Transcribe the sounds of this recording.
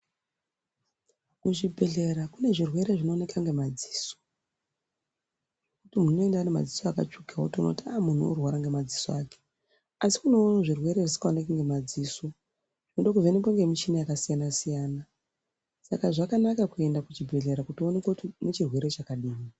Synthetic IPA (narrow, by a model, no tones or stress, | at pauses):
kuʐibʱe̞ɮe̞ɾakune̞ʐirwe̞ɾeʐino̞ːne̞kaŋɡe̞mad͡zi̥ːso̥ | ʐekutimuno̞e̞ndaane̞ma̰d͡zisoaka̰t͡ʃukaotiono̰tiamun̤uo̰rwaɾaŋɡe̞mad͡zisoaːke̥ | asi̥kuno̞roʐirwe̞ɾe̞ʐisi̥kaonekaŋɡemad͡ziːso | ʐ̥inoɗo̞kuvʱenep̬waŋɡe̞mit͡ʃinajakasijanasijaːna | sakaʐakanakakue̞ndakut͡ʃibʱe̞ɮe̞ɾakutionekatinet͡ʃirwe̞ɾe̞t͡ʃakaɗiːmi